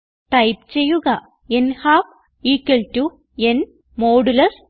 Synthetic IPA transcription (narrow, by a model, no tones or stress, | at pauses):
ʈɐjp̚t͡ɕejːuɣɐ | enhaːf | iːkːɐltu | en | moːɽulɐs